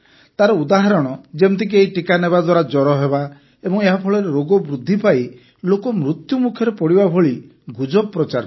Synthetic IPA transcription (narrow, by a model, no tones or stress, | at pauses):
t̪aɾɔud̪aɦaɾɔɽ̃ɔd͡ʒemt̪ʰik̬iejʈikaneβad̪waɾad͡ʒɔɾɔɦeba | ebɔŋeɦapʰɔɭɔɾeɾoɡɔbɾud̪ʱːipaj | lokɔmɾut̪jumukʰjɔɾepɔɽibabʱoɭi | ɡud͡ʒɔpːɾɔt͡ʃaɾ